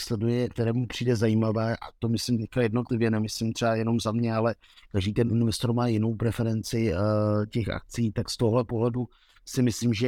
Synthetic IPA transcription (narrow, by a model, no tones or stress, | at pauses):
slɛdujɛk̚t̪ɛɾɛːmupr̝̥iːdɛzajimavɛːʔa̰t̪o̞mɪslɪmt̪ɛçkajɛdno̞t̪lɪvjɛnɛmɪslimt̪r̥ɛajɛno̞mzamɲɛalɛ | kaʒdiːt̪ɛnʔunɪnɪst̪ɾomaːjɪno̞wpɾɛfɛɾɛnt͡sɪcɛxʔa̰k̚t͡siiːt̪akst̪oɦoɦlɛpoɦlɛdu | sɪmɪslɪmʒɛ